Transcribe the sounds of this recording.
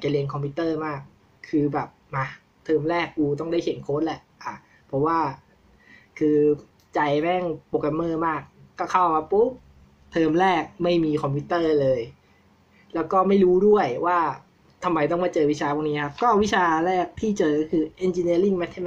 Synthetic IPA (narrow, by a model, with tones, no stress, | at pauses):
a˨˩kt͡ɕa˧li˧ənkʰɔ˧mpʰiː˧˥t̪ɤː˥˩maː˥˩k̚ʰː | ɯː˧bɛː˨˩p̚ma˦˧h | t̪ʰɤː˧mɾɛː˥˩k̚ʔuː˧t̪ɔ˥˩ŋdaː˥˩jkʰe˨˩˦nkʰoː˦˥t̪̚lɛ˨˩˦ʔʔa˨˩ | pʰɔ˧˩waː˥˩ | kʰɯː˧ | t͡ɕa˧jbɛː˥˩ŋpo˨˩k̚la˧˩mɤː˥˩maː˥˩k̚ːɔː˥˩kʰa˥˩wka˧˩pu˦˥p̚ | t̪ʰɤː˧mɾɛː˥˩k̚ma˥˩jmiː˧kʰɔ˧mpʰiː˦˥t̪ɤː˥˩lɤː˧j | lɛː˦˥wkɔː˥˩ma˥˩jɾuː˦˥du˥˩əjwaː˥˩ | t̪ʰa˧mːa˧jt̪ɔ˥˩ŋmaː˥˩t͡ɕɤː˧wi˦˥t͡ɕʰaː˧bʰaː˧˥˩niː˦˥kʰa˦˥p̚kɔː˥˩wi˦˥t͡ɕʰaː˧ɾɛː˥˩k̚t̪ʰiː˥˩t͡ɕɤː˧ɔ˧˥kʰɯː˧ʔe˧nt͡ɕi˧ni˧˥əli˥˩ŋmɛ˦˥t̪ʰːe˧˥n